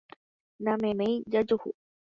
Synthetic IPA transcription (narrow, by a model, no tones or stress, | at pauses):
nãmẽmẽjd͡ʒad͡ʒuhṵ